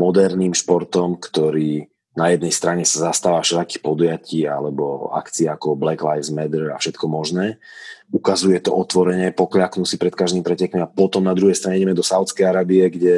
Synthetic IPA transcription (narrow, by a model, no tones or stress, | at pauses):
mɔd̪ɛɾniːmʃpɔɾt̪ɔmkt̪ɔɾiː | najɛd̪nɛjst̪ɾaɲɛsazast̪aːʋaːfʃɛlaki̥pɔd̪ujaciːa̰lɛbɔa̰kt͡siaakɔblɛklajvzmɛd̪ɾ̩a̰fʃɛt̪kɔmɔʒnɛːukazujɛt̪ɔʔɔt̪ʋɔɾɛɲɛpɔkljaknusipɾɛt̪kaʒd̪imipɾɛcɛkmiapɔt̪ɔmnad̪ɾuɦɛjst̪ɾaɲɛiɟɛmɛd̪ɔsaʊt͡skɛjaɾaːbiɛɡɟɛ